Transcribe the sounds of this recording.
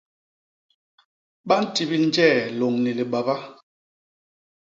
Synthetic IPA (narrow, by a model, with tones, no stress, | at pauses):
ɓa˦n̩˦ti˨bi˦n̩˦d͡ʒɛ˦˨lo˨ŋni˨li˨ɓa˨ba˦